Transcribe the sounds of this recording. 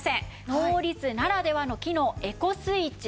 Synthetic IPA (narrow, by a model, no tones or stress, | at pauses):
sẽ̞ | no̞ːɾʲit͡sɨnaɾad̪e̞β̞ano̞kʲino̞ːe̞ko̞sɨit͡ɕi